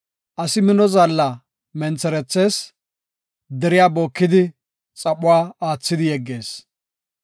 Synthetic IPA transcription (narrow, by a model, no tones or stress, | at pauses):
ʔɐsɪmɪnɔzalːɐ | mɛnt͡sːɛɾɛt͡sːe̞ːs | d̪ɛɾɪjaːbo̞ːkːɪd̪ɪ | t͡sʼɐpʼʊwaːaːt͡sːɪd̪ɪjɛɡːe̞ːs